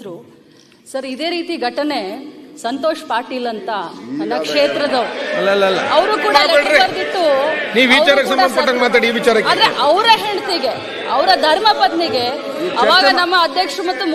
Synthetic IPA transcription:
ɾu | sɐɾid̪e̞ːɾiːt̪iɡʱɐʈɐne̞sɐnt̪oːʃɐpaːɾʈiːlɐnt̪ɐnɐnːɐkʂeːt̪ɾɐd̪ɐɐlːɐlːɐlːɐ̰ɐʋɾuːkuːɽɐleɽɾeɐɾd̪it̪ːuniːʋʋit͡ʃaːɾɐkesɐmɐnkɐʈːaŋɡmaːt̪aːɽiːʋit͡ʃaːɾɐkaːnd̪ɾeʔɐʋɾɐɦeɳɖt̪iɡe̞ | ɐʋɾɐd̪ʱɐɾmɐpɐd̪niɡe̞ | ɐʋaːɡɐnɐmːɐːd̪ʱjɐkʂɾumɐt̪ːum

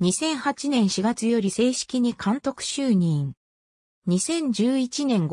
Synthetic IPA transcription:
ɲisẽ̞ɰ̃hat͡ɕinẽ̞ɰ̃ɕiɡat͡sɨjo̞ɾʲise̞ːɕi̥kʲiɲ̟ikʰãnt̪o̞kɯ̟̥ɕɨːɲ̟ĩŋ | ɲ̟isẽ̞ɲ̟d͡ʑɨːit͡ɕinẽ̞ŋɡ

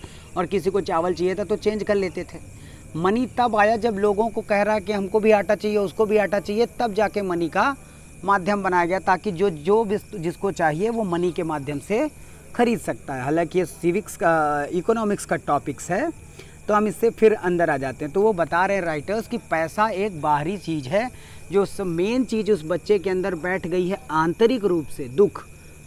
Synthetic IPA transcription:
ɔːɾkɪsikot͡ʃaːʋəlt͡ʃiijet̪ʰat̪ot͡ʃẽːnd͡ʒkɐɾleːt̪et̪ʰeː | mɐnit̪ɐbaːjad͡ʒɐbloːɡõkokɛɦɾaɦɛkiɦɐmkobʱiaːʈat͡ʃaːɦieʊskobʱiaːʈat͡ʃaːɦiet̪ɐb̚d͡ʒaːkemɐnika | maːd̪ʱjəmbɐnaːjaɡɐjat̪aːkid͡ʒoːd͡ʒoːbʱɪsd͡ʒɪskot͡ʃaːɦieʋomɐnikemaːd̪ʱjəmse | xɐɾiːd̪sɐk̚t̪aɦɛɦaːlãːkijesɪʋɪkskaiːkɔːnɔːmɪkskaʈɔːpɪksɦɛː | t̪oɦɐmɪsːepʰɪɾɐ̃nd̪əɾaːd͡ʒaːt̪ẽɦɛ̃t̪oʋobɐt̪aːɾeɦɛ̃ɾaːɪʈəɾskipɛːsaeːk̚baːɦɾit͡ʃiːd͡ʒɦɛ | d͡ʒoːsmeːnt͡ʃiːd͡ʒʊsbɐtːʃekeɐ̃nd̪əɾbɛːʈʰɡɐiɦɛãːnt̪əɾɪkɾuːpsed̪ʊkʰ

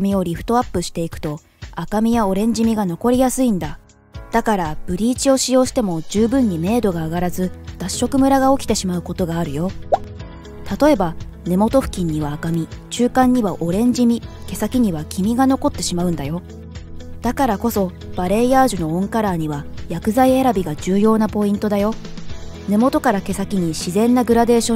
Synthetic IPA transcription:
mʲio̞ɾʲiɸɯ̥t̪o̞apːɯ̟ɕi̥t̪e̞ikɯ̟̥t̪o̞ | akamʲijao̞ɾẽ̞ɲ̟d͡ʑimʲiɡano̞ko̞ɾʲijasɨĩnd̪a | d̪̥akaɾab̥ɯ̟ɾʲiːt͡ɕio̞ɕijo̞ːɕi̥t̪e̞mo̞d͡ʑɨːbɯ̟̃ɲ̟ːime̞ːd̪o̞ɡaːɡaɾazɨd̪̥aɕːo̞kɯ̟mɯ̟ɾaɡao̞kʲi̥t̪e̞ɕimaɯ̟ko̞t̪o̞ɡaːɾɯ̟jo̞ | t̪at̪o̞e̞ba | ne̞mo̞t̪o̞ɸɯ̟̥kʲĩɲ̟ːiβaːkamʲit͡ɕɨːkãɲ̟ːiβaʔo̞ɾẽ̞ɲ̟d͡ʑimʲike̞sakʲiɲ̟iβakʲimʲiɡano̞ko̞t̪ːe̞ɕimaɯ̟̃nd̪ajo̞ | d̪̥akaɾako̞so̞ | b̥aɾe̞iaːʑɨno̞õ̞ŋkaɾaːɲ̟iβajakɯ̟zaie̞ɾabʲiɡad͡ʑɨːjo̞ːnapo̞ĩnt̪o̞d̪ajo̞ | ne̞mo̞t̪o̞kaɾake̞sakʲiɲ̟iɕizẽ̞nːaɡɯ̟ɾad̪e̞ːɕõ

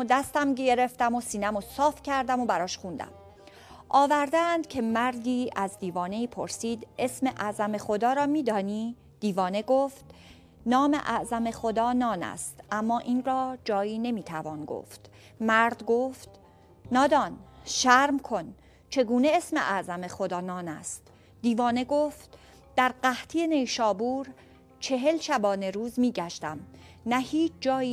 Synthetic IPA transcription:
d̪æst̪æmɟe̞ɾe̞ft̪æmosiːnæmosɒːfcʰæɾd̪æmobæɾɒːʃχund̪æ̰m | ʔɒːvæɾd̪æænd̪̥cʰe̞mæɾd̪iːʔæzd̪iːvɒːne̞iːpʰoɾsiːd̪e̞sme̞ʔæzæme̞xo̞d̪ɒːɾɒːmiːd̪ɒːniː | d̪̥iːvɒːne̞ɡoːft̪ | nɒːme̞̰ʔæ̰ʔzæme̞xod̪ɒːnɒːnæ̰st̪ʔæmːɒːʔiːnɾɒːd͡ʒɒːjiːne̞miːt̪ʰævɒːnɡo̰ːft̪ | mæɾd̪ɡoːft̪ | nɒːd̪ɒːnʃæɾmkʰo̞n | t͡ʃʰe̞ɡuːne̞esmḛʔæʔzæme̞xod̪ɒːnɒːnæ̰st̪ | d̪iːvɒːne̞ɡoft̪̚ | d̪̥æɾɢæht̪ʰije̞nejʃɒːbuːɾ | t͡ʃʰe̞ɦe̞lʃæbɒːne̞ɾuːzmiːɟæʃt̪æmnæhiːt͡ʃʰd͡ʒɒːi

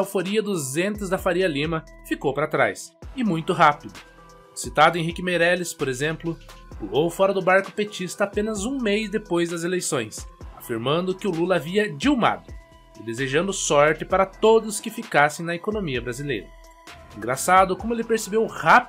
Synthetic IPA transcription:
awfoɾiɐd̪ʊzẽnt̪ɪzd̪ɐfaɾiɐlĩmɐ | fikowpaɾɐat̪ɾa̰jsɪmũj̃t̪ʊɦapid̪ʊ | sit̪ad̪ʊẽɦikɪmeɾɛlɪspoɾezẽmplʊulowfɔɾɐd̪ʊbaɾkʊ̥pet͡ʃist̪ɐaːpẽnɐzũmejzd̪epojzd̪ɐzelejsõj̃safiɾmɐ̃nd̪ʊkɪʊlulɐːviɐd͡ʒiuma̰d̪ʊ | ɪd̪ezeʒɐ̃nd̪ʊsɔɾt͡ʃ̪ɪpaɾɐt̪od̪ʊskɪfikasẽj̃nɐekonõmiɐbɾazilḛjɾɐ | ẽŋɡɾasad̪ʊkõmʊelɪpeɾsebewhap

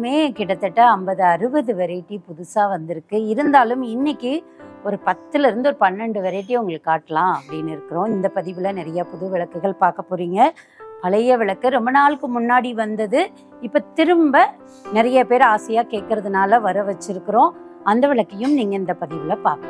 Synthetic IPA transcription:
meːkɪɽɐt̪ːɐʈːɐɐmbɐðɯɐɾɯʋɐðɯʋɐɾɐʈːipʊðʊsaːʋɐnd̪ɪɾɯkːɯɪɾɯnd̪aːlɯmɪnːɪkːɯ | ɔɾɯpɐt̪ːɯlɪɾɯnd̪ɯɔɾɯpɐnːɛɳɖɯʋɐɾɐʈ̬ːiʊŋɡɐɭɯkːɯːaːʈːɐlãːɐpːɐɽinːɪɾɯkːɯɾõːɪnd̪ɐpɐðɪʋɪlɐnɪɾɐjaːpʊðɯʋɪɭɐkːɯɣɐɭpaːɾkɐpːoːɾiːŋɡɐ | pɐɭɐjɐʋɪɭɐkːɯɾɔmbɐnaːlɯkːɯmʊnːaːɽiʋɐnd̪ɐðɯ | ɪpːoːt̪ɪɾɯmbɐ | nɪɾɐjɐpeːɾaːsɐjaːkeːʈ̚kɪɾɐðɯnaːlɐʋɐɾɐʋɐt͡ʃːɪɾɯkːɯɾõːɐnd̪ɐʋɪɭɐkːɐjɯmniːŋɡɐɪnd̪ɐpɐðɪʋɪlɐpaːɾkɐ̃

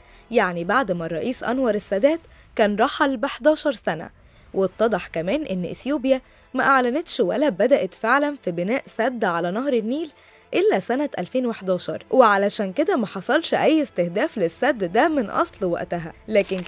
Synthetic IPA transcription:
jaʕnibaʕd̪mærˤːɑʔiːsʔɑ̰nwɑɾˤesːæd̪æːt̪ | kæːnɾˤɑħɑlbeħd̪æːʃɑɾˤsænæ̰ | wʔet̪ˤːɑd̪ˤɑħkæmæːnʔenːʔḛθjuːbjæ | mæʔaʕlænet̪ʃwæ̰læbæd̪æʔæt̪feʕlænfibenæːʔsæd̪ːʕalænɑhɾˤenːiːl | ʔelːæsænæʔælfeːnweħd̪æːʃɑ̰ɾˤweʕalæʃæːnked̪æmæħɑsˤɑlʃʔæjːest̪ehd̪æːflesːæd̪ːd̪æmenʔɑ̰sˤlwæ̰ʔt̪æɦæ̰læːken

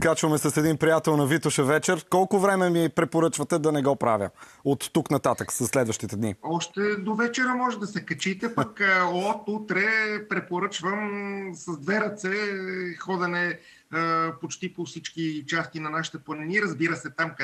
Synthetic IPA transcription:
kat͡ʃvɐmɛsɐsɛd̪inpɾijat̪ɛlˠnɐvit̪ʊʃɛvɛt͡ʃɛɾkɔlˠkʊvɾɛmɛmipɾɛpoɾɤt͡ʃvɐt̪ɛd̪ɐnɛɡɔpɾavʲjə̰ | ot̪ːuknɐt̪at̪əksɐsːlɛd̪vəʃt̪it̪ɛd̪niɔʃt̪ɛd̪ovɛt͡ʃɛɾəmɔʒɛd̪ɐsɛkɐt͡ʃit̪ɛpɐkot̪ut̪ɾɛpɾɛpoɾɤt͡ʃvəmsɐzd̪vɛɾɐt̪sɛxɔd̪ɛnɛ | pot͡ʃt̪ipofsit͡ʃkit͡ʃast̪inɐnaʃi̥t̪ɛpənɛniɾɐzbiɾəsɛt̪amk

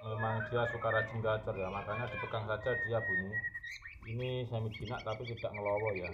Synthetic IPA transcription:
emaŋd̥i̤asukaɾat͡ʃəŋɡat͡ʃərjamakaɲad̪̥i̤t̪əkaŋsḁd͡ʒ̥ad̥ijab̥ṳni | inisamid̥i̤naʔt̪apit̪id̥aʔŋəlɔwɔja

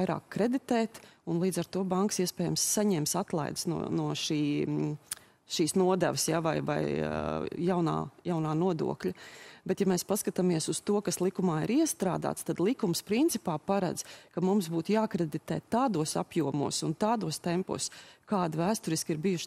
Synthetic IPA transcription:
jɾa̰ːkʰːɾɛd̪it̪ɛːt̪unlˠiːd̪zaɾt̪uɔbaŋksiɛspɛːjamsːaɲɛːmsat̪lˠa̰jd̪ə̥snṵnuɔʃiː | ʃiːsnuɔd̪ɛ̰ʋəsjavajva̰j | jawna̰ːjawnaːnuɔd̪ṵɔkʎʲɐbɛt̪jamɛːspaskat̪amiɛsust̪uɔkaslˠikumaːiɾiɛst̪ɾa̰ːd̪a̰ːt̪st̪ad̪lˠikumspɾint̪sipaːpaɾa̰d̪z̥kɐmumsbuːt̪jaːkɾɛd̪it̪ɛːt̪ːaːd̪uɔsa̰pjuɔmṵɔsunt̪aːd̪uɔst̪ɛmpṵːskaːd̪væːst̪ʊɾiskiɾbijuʃ

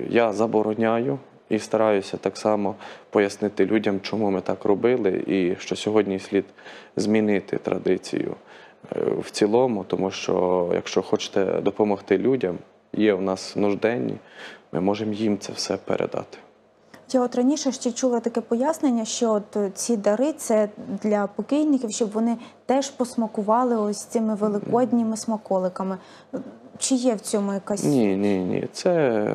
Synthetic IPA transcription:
jazɐbɔɾɔnʲajʊ | ist̪ɐɾɑjʊsʲɐt̪ɑksɑmɔpɔjɐsnɪt̪ɪlʲudʲɐmt͡ʃɔmumɪt̪ɑkrɔbɪlˠɪ̰iʃt͡ʃɔsʲɔɦɔdʲnʲisʲlʲid̪zmʲinɪt̪ɪ̰t̪ɾɐ̰d̪ɪt͡sʲḭjʊ̰ | wt͡sʲilˠɔmʊt̪ɔmuʃt͡ʃɔ̰jɐ̰kʃt͡ʃɔxɔt͡ʃɪ̥t̪ɛ̰d̪ɔpɔmɔxt̪ɪlʲudʲɐm | jɛwnɑsnʊʒd̪ɛnʲːḭmʔɪ̰mɔʒemjimt̪sɛ̰wsɛpḛɾḛd̪ɑ̰t̪ɪ̥ | jaɔt̪ɾɐnʲiʃɛʃt͡ʃɛt͡ʃulˠɐt̪ɐkɛpɔjasnenʲːɐʃt͡ʃɔɔt̪t͡sʲid̪ɐɾɪt̪sɛd̪lʲɐpɔkɪjnɪkʲiwʃt͡ʃɔbʋɔnɪt̪ɛʒpɔsmɐkʊʋɑlˠɪɔsʲt̪ɪmɪʋelˠɪkɔdʲnʲɪmɪsmɐkɔlˠɪkɐmɪ | t͡ʃɪjɛwt͡sʲɔmʊjɐkɑsʲnʲinʲinʲḭt̪sɛ

